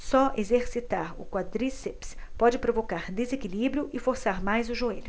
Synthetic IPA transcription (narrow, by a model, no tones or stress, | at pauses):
sɔʔezeɾsit̪aɾʊ̰kwad̪ɾisepspɔd͡ʒɪpɾovokaɾd̪ezekilibɾijʊʔɪfoɾsaɾmajzʊʒoelʊ